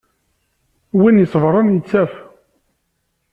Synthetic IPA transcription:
winjəsˤvɾˤɑnjət͡sːæf

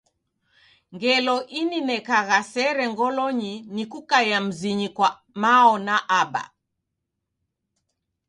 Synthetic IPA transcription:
ŋɡɛlɔʔininɛkaɣasɛɾɛŋɡɔlɔɲinikukajam̩ziɲikwa | maɔnaʔaba̰

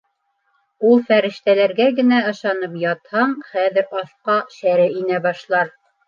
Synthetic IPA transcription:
ulˠfæɾɘ̆ʃt̪ælæɾɡæɡɘ̆næɤ̆ʃɑnɤpjɑt̪hɑɴχæðɘ̆ɾɑθqɑʃæɾɘinæbɑʃlˠɑɾ

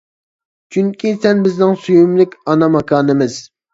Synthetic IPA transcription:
t͡ʃʰyŋkʲʰisɛnbɪznɪŋsujumlɪkʲɑnɑmɑkʰɑːnɨmɪz̥

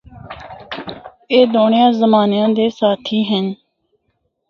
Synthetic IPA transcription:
eːd̪oːɳejãːzəmaːnjãːd̪eːsaːt̪ʰiːɦən

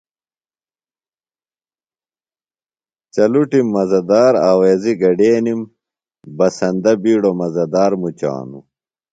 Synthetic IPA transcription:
t͡ɕɐluʈimːɐzɐd̪aːɾaːweːziɡɐɖeːnim | bɐsɐnd̪ɐbiːɽomɐzɐd̪aːɾmut͡ɕa̰ːnṵ

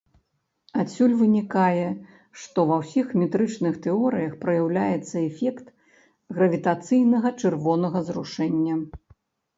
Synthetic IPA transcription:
asʲulʲvɨnʲikajɛ | ʂt̪ɔvɐwsʲixmʲɛt̪ɾɨt͡ʂnɨxt̪ɛɔɾɨjɐxpɾɐjawlʲajɛt̪sːɐɛfʲɛkt̪ | ɣɾɐvʲit̪at̪sɨjnɐɣɐt͡ʂɨrvɔn̪ɐɣɐzruʂɛnʲːɐ

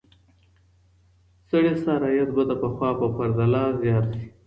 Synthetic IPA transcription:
səɽesaɾɑjat̪bad̪əpəxwɑpəpaɾd̪alɑzjɑt̪ʃi̥

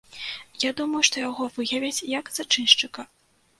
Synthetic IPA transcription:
jad̪umɐjuʂt̪ɔjaɣɔvɨjɐvʲɛt͡sʲjɐkz̥at͡ʂɨnʂt͡ʂɨkɐ

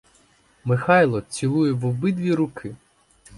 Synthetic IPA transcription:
mɪxɑjlˠɔt͡sʲilˠujɛʋɔbɪd̪ʋʲiɾʊkʰɪ

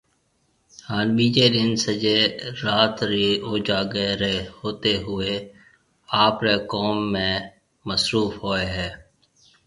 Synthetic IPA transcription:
haːnbiːd͡ʒeːɾɪnsəd͡ʒeːɾaːt̪ɾioːd͡ʒaːɡeɾehoːt̪eɦʊe | aːpɾeːkoːmːẽː | məsɾuːfɦoːeɦɛː

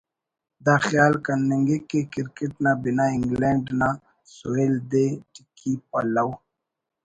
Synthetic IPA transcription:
d̪axjɑːlkanːeŋɡekekɪɾkeʈnabinaɪŋɡlaɳɖna | soeld̪eʈikʰipa̰law

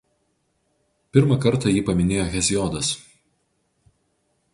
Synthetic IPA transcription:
pʲɪɾmɐkɐɾt̪ɐjiːpɐmʲɪnʲeːjoːɣʲɛzʲjɔːd̪ɐs

